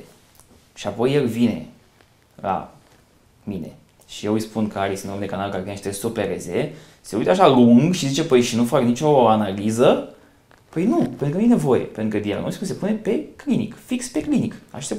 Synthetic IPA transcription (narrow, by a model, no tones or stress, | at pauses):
ʃiapo̞jelvine̞̰ | la̰ | mine̞̰ | ʃije̞wɨjspunkəaɾisɨnomd̪ekanalkaɾvinʃit̪ɾesopeɾeze | seujt̪əaʃaluŋɡʃizit͡ʃe̞pəjʃinufaknit͡ʃo̞analizə | pəjnupent̪ɾuknjene̞vo̞jḛpent̪ɾukəd̪ia̰lno̰skus̬e̞pune̞pe̞klinḭkfikspe̞klinikaʃast̪ep